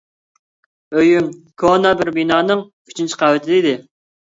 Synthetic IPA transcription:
øjymkʰonɑbɪɾbinɑːnɨŋkʲʰy̥t͡ʃʰynt͡ʃʰi̥qʰɑwɪt̪ʰɪd̪ɪid̪ɪ

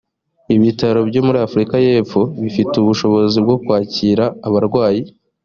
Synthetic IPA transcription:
iβitaɾo̞bɟo̞muɾiafuɾikaje̞ːp͡fo̞βifituβuʃo̞βo̞zibɡo̞kwaːciːɾaːβaɾɡwaːji

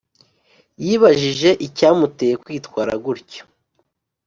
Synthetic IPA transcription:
jiːβaʒiʒe̞ʔicaːmute̞jekwiːtkwaːɾa̰ɡuɾco̥

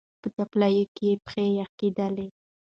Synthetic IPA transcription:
pət̪aplajokejepxejaked̪əle

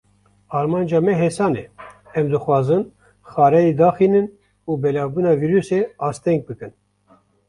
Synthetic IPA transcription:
ɑːɾmɑːnd͡ʒɑːmɛɦeːsɑːnḛ | ɛmd̪ɨxwɑːzɨn | xɑːɾɛjed̪ɑːxiːnɨn | uːbɛlɑːbuːnɑːviːɾuseɑːst̪ɛŋɡ̚bɨkɨn

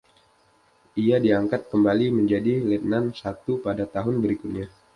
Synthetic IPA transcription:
ʔiadiaŋkat̪̚kəmbaliməɲd͡ʒadilɛt̪̚nansat̪upadat̪aɦʊnbəɾikʊt̪̚ɲa

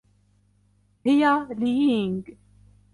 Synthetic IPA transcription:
hijaliːiŋɡ

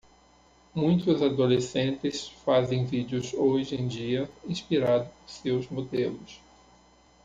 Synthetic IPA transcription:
mũj̃t̪ʊzad̪olesẽnt̪ɪsfazẽj̃vid͡ʒɪʊzoʒẽj̃d͡ʒiɐĩspiɾad̪ʊpʊɾsewzmod̪elʊs

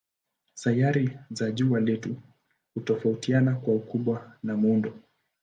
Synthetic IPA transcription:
sajaɾizaʄualɛtu | hutɔfautianakwaukuɓwanamundɔ

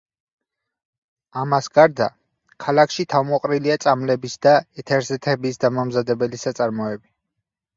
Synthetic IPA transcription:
amasɡaɾd̪a | kʰalakʰʃit̪ʰavmɔqʼɾiliat̪sʼamlɛbisd̪aɛt̪ʰɛɾzɛt̪ʰɛbisd̪amamzad̪ɛbɛlisat̪sʼaɾmɔɛbi

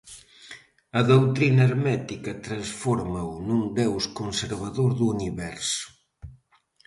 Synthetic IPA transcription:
ɐðowt̪ɾinɐeɾmɛt̪ikɐt̪ɾansfɔɾmɐwnund̪ɛwskonseɾβaðoɾðuːniβɛɾsʊ̥

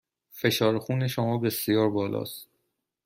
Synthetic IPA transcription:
fe̞ʃɒːɾxuːne̞ʃomɒːbe̞sijɒːɾbɒːlʔɒ̰ːst̪

